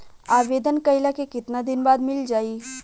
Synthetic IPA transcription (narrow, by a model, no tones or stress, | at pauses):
aːʋeːd̪ənkəɪlakekɪt̪nad̪ɪnbaːd̪mɪld͡ʒaːiː